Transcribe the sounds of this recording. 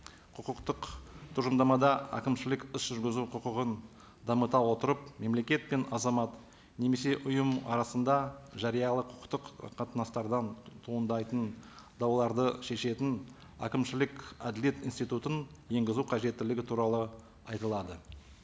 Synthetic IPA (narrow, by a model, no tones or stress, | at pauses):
qʰʊqəqt̪əqt̪ʰuʒəmd̪ɑmɑd̪ɑæ̰kʲɪmʃɪlɪkɪsʒ̥ʏɾɡʲɪzuqʰʊqəʁən | d̪ɑmət̪ɑwwo̞t̪əɾəpme̞mle̞kʲe̞t̪̚pe̞nɑzɑmɑt̪ | ne̞me̞se̞ʔʊjəmɑ̰ɾɑsənd̪ɑʒɑɾijɑlˠəqʰʊ̥qə̥qt̪əqqʰːɑt̪nɑst̪ɑɾd̪ɑnt̪ʰuənd̪ɑjt̪ənd̪ɑwlˠɑɾd̪əʃe̞ʃe̞t̪ɪn | æ̰kʲɪmʃɪlɪkʲæd̪ɪle̞t̪ijnst̪ijt̪ut̪ənje̞ŋɡʲɪzuqʰɑʒe̞t̪ːɪlɪɡʲɪt̪ʰuɾɑlˠə | ɑjt̪əlˠɑd̪ə